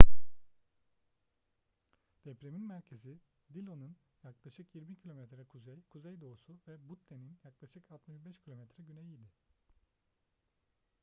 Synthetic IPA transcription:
d̪̥ɛpɾeminmæɾcʰe̞zi | d̪ilʲo̞nun | jaklˠaʃɯkjiɾmicʰilʲo̞mɛt̪ɾɛkʰuzɛjkʰuzejd̪o̞ːsuvɛbut̪ʰːeninjaklˠaʃɯkat̪miʒbɛʃcʰilʲomɛt̪ɾɛɟynejid̪ɪ

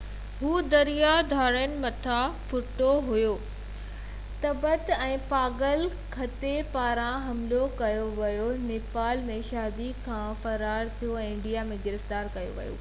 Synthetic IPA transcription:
ɦuːd̪ɐɾijad̪ʱaːɾənɪ̆mɐt̪ʰafʊʈoɦʊjoː | t̪ɐbət̪ɛ̃ːpaːɡəl | kʰɐt̪epaːɾãɦɐmlokɐjoʋɐjoneːpaːlmẽʃaːd̪ikʰãfɐɾaːɾt̪ʰijoɛ̃ːɪ̃ɳɖijamẽɡɪɾəft̪aːɾkɐjo̰ʋɐ̰jo̰ː

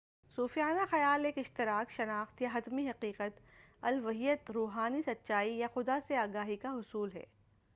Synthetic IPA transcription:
suːfijaːnaxɐjaːleːkɪʃt̪ɪɾaːkʃɐnaːxt̪jaɦɐt̪miɦɐqiːqət̪ɐlʋɐɦijət̪ɾuːɦaːnisɐt̪ːʃaːijaxʊd̪aseaːɡaːɦikaɦʊsuːlɦɛ̰ː

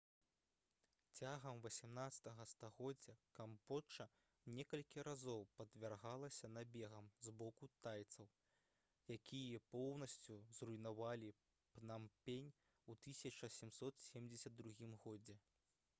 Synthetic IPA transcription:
t͡sʲaɣɐmvɐsʲɛmnat̪sɐ̥t̪ɐɣɐst̪aɣɔd͡zʲːɐkambɔt͡ʂɐ | nʲɛkɐlʲkʲiɾazɔwpɐd̪vʲarɣalˠɐsʲɐnabʲɛɣɐmzbɔkut̪ajt̪sɐw | jakʲʰijɐpɔwnɐsʲt͡sʲuzrujnavalʲi | pnampʲenʲ | ut̪ɨsʲɐt͡ʂɐsʲɛmsɔt̪sʲɛmd͡zʲɛsʲɐd̪̚ːɾuɣʲimɣɔd͡zʲɛ

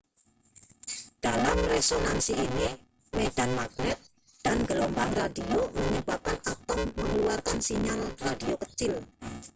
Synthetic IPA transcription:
d̥alamresonansiini | med̥anmaɡ̚nɛt̪̚ | d̥anɡəlombaŋradioməɲəbap̚kanat̪ɔmməŋəluarkansiɲalradiokət͡ʃɪl

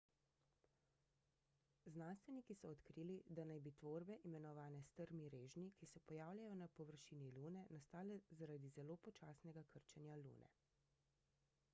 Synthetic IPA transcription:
znaːnst̪ʋɛnikisɔːt̪kɾiːlid̪anajbit̪ʋoːɾbɛʔimɛnɔʋaːnɛst̪əɾmiɾeːʒnikisɛpɔjaːwlʲjajɔnapɔʋəɾʃiːniluːnɛnast̪aːlɛzaɾad̪izɛloːpɔt͡ʃaːsnɛɡakəɾt͡ʃɛnjalṵːnʔɛ̰

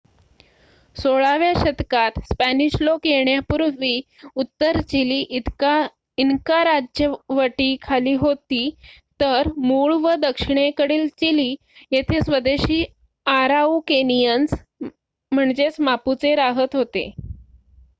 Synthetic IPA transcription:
soɭaʋjaɕət̪kat̪spæniɕlokjeɳjapuɾʋiː | ut̪ːəɾt͡ɕiliːʔit̪ka | inkaɾad͡ʑjəʋəʈiːkʰaliːɦot̪iːt̪əɾmuɭʋəd̪əkʂiɳ̃ekəɽiːlt͡ɕiliː | jet̪ʰesʋəd̪eɕiː | aɾaukenijəns | m̤əɳd͡ʑet͡smaput͡seɾaɦət̪ɦot̪ḛ

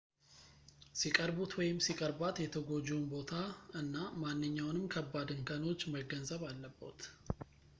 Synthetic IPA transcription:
sikʼəɾbut̪ʰwɔjɪmsikʼəɾbat̪jɛt̪ʰəɡo̞d͡ʒuunbo̞t̪ʰaɨnːamanːɨɲːawnɨmkʰəbːad̪ɨŋkʰəno̞t͡ʃːməɡːənzəβalːəbːo̰t̪

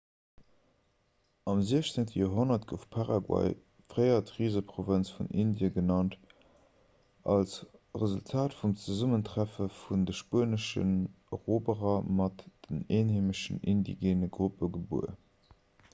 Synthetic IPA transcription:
ɑmziəɕt͡seŋtəjoːɦonɐtɡ̥əfpʰaʁɑɡwɑ̰ɪ | fʁəɪɐtʁiːzəpʁovənt͡sfunʔindjəɡənɑnt | ɑlsʁəzultʰaːtfumt͡səzuməntʁæfəfundəʃpuənəʃə̰n | ʁoːbəʁɐmɑtd̥əneːnheːməʃənindḭɡeːnəɡʁupəɡəbṵə̰

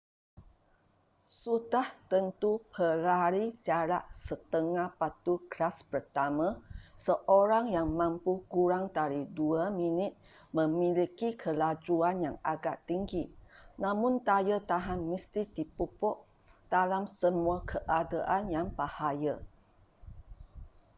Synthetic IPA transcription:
sut̪aht̪ənt̪upʰəɾaɾit͡ʃaɾaʔsət̪əŋahpat̪ukɾaspərt̪amãsəʔoɾaŋjaŋmãmpukuɾaŋt̪aɾiduamĩnɪt̪̚ | mə̃milikikʰəlad͡ʒuanjaŋaɡa̰ʔt̪iŋɡinãmũnt̪ajət̪aɦanːist̪it̪ipupɔʔ | d̥alamsəmuakʰəʔadaʔanjaŋpahajə

